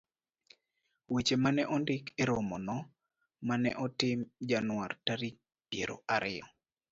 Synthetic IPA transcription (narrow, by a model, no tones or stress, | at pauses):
wet͡ʃemanɛʔɔndɪkʰeɾomɔnɔ | manɛ̰ʔɔtɪmd͡ʒanʊwartaɾik̚ | pjeɾo̰ʔaɾɪɔ̰